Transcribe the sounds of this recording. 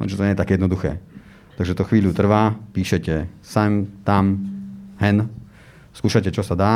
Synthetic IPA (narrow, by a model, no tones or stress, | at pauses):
t͡ʃɛt̪ɔɲɛjɛt̪akjɛd̪nɔd̪uxɛ̰ː | t̪aɡʒɛt̪ɔxʋiːʎut̪r̩ʋaːpiːʃɛcɛsɛmt̪amɦɛn | skuːʃacɛt͡ʃɔsad̪aː